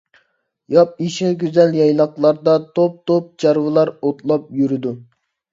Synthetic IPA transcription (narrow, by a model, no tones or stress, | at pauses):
jɑp̚iʃɪɡʲyzɛljɑjlˠɑqlˠɑɾd̪ɑt̪ʰop̚t̪op̚t͡ʃʰɑɾwɨlˠɑɾot̪lˠɑp̚jyɾɪd̪u